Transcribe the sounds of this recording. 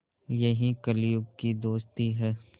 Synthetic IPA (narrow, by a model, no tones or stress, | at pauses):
jɐɦĩkɐlijʊb̚kid̪oːst̪iɦɛː